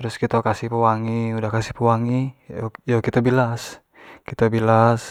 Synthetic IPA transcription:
ɾuskit̪okasihpəwaŋiudahkasihpuwaŋijokit̪abilas | kit̪obilas

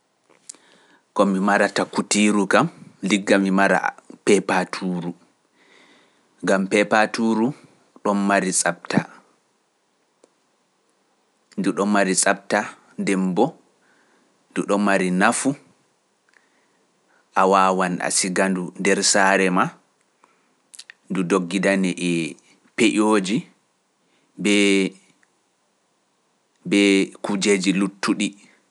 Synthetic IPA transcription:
kɔmimaɾatakutiːɾukamliɡːamimaɾa̰pɛpatʰuːɾu | ŋɡampɛpatuɾu | ɗɔnmaɾisʼap̚ta | nduɗɔmaɾisʼap̚ta | ndɛmbɔ | nduɗɔmaɾinafu | ʔawawana̰siɡandundɛɾsaːɾɛma | ndudoɡːidanɛʔɛ | peʔoːd͡ʒi | bɛ | bɛkud͡ʒeːd͡ʒilutʰːuɗi

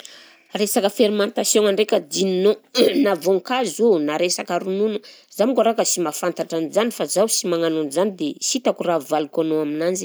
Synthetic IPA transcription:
ɾesakəfeɾimant̪asjoŋaɳɖ͡ʐekʲəd̪ininonavoŋkazunaɾesakaɾununəzamikaɾakəsimafant̪aʈ͡ʂanizanifazawsimaŋanunzanid̪esit̪akuravalukanoaminand͡ʒi̥

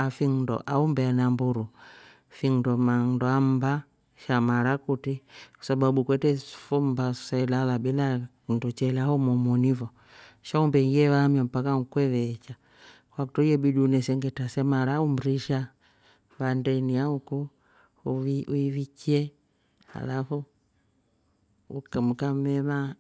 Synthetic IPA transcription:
afiŋndɔ̰ʔaumbɛanambuɾu | fiŋdɔmanndɔamba | ʃamaɾakutikwḁsaɓaɓukwɛtɛfɔmbassailalabila | ndɔt͡ʃɛlɛahɔmɔmɔnivɔ | ʃaumbɛŋɡiɛβamjampakaŋukwɛðɛt͡ʃa | kwakutɔiɛbiɗunɛsɛŋɡɛtasɛmaɾaum̩ɾiʃa | βandɛniauku | iuivikiɛ | a̰lafu | ukmukamɛma

